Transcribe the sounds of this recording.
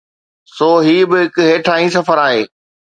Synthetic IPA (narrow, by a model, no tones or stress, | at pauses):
soːɦiːbɪɦɪkɦeːʈʰaːĩsɐfəɾaːɦeː